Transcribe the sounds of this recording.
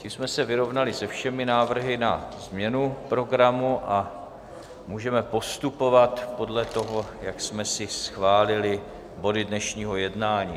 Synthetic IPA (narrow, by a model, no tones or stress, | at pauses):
cimsmɛsɛvɪɾo̞vnalɪsɛfʃɛmɪnaːvr̩ɦɪnazmɲɛnupɾo̞ɡɾamuʔa | muːʒɛmɛpo̞st̪upo̞vat̪po̞dlɛt̪o̞ɦojaksmɛsɪsxvaːlɪlɪ | bo̞dɪdnɛʃɲiːɦo̞jɛdnaːɲiː